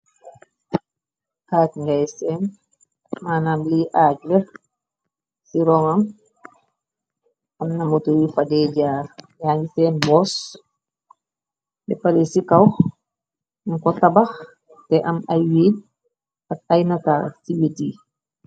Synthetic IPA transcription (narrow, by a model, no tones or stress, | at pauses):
kaːtŋɡajsɛn | maːnaːmliʔaːɟlə | siɾɔŋɐm | ɐmnɐmotuwifadɛɟaːrjaːŋɡisɛːnbɔs | bɛpalɛsikɐw | mŋkɔtabax | tɛʔɐmɐjwiːd̚ | ɐk̚ajnɐta̰ːsiwiti